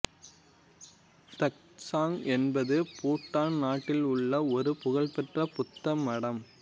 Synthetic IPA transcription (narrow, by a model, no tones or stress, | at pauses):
tɐk̚ | saːŋɛnbɐðɯpuːʈːaːnnaːʈːɪlʊɭːɐɔɾɯpʊɣɐɭpɛʈrɐpʊt̪ːɐmɐɽɐm